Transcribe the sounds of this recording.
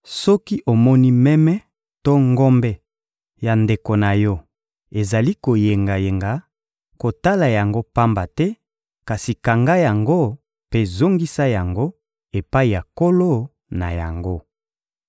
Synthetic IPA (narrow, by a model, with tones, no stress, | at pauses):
sɔ˦ki˦ʔo˨mɔ˦ni˦mɛ˦mɛ˦ | to˦ŋɡɔ˦mbɛ˦ | ja˨nde˨ko˨na˨jɔ˦ | e˨za˨li˦ko˨je˨ŋɡa˨je˨ŋɡa˨˦ | ko˨ta˦la˨ja˨ŋɡo˦pa˦mba˨tɛ˦ | ka˨si˨ka˨ŋɡa˦ja˨ŋɡo˦ | pe˦zo˦ŋɡi˦sa˦ja˨ŋɡo˦ | e˨pa˦i˨ja˨ko˦lo˦ | na̰˨ja̰˨ŋɡo˦